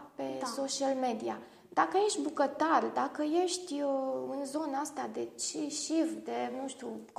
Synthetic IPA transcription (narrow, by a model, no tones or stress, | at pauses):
pesoʃialme̞d̪ia | d̪akəje̞ʃt̪ʲbukət̪arʲd̪akəje̞ʃt̪ʲɨnzo̞nəast̪ad̪e̞t͡ʃeʃifd̪e̞nuʃt̪uk